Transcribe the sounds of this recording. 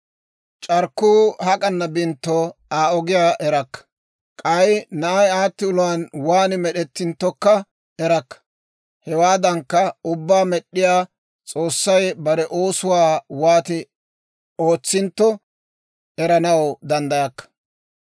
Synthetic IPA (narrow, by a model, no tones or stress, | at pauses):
t͡ʃʼɐɾkːuːhɐkʼɐnːɐbɪnt̪ːɔaːɔɡɪjaːʔɛɾɐkːɐ̥ | kʼɐjnɐɐjaːt̪ːɪʊlʊwaːnwaːnɪmɛɗɛt̪ːɪnt̪ːɔkːɐ | ɛɾɐkːɐ̥ | hɛwaːd̪ɐŋkːɐʊbːaːmɛɗːɪjaː | t͡sʼo̞ːsːɐjbɐɾɛʔo̞ːsʊwaːwaːt̪ɪ | o̞ːt͡sːɪnt̪ːɔ | ɛɾɐnɐwd̪ɐnd̪ɐjɐkːɐ̥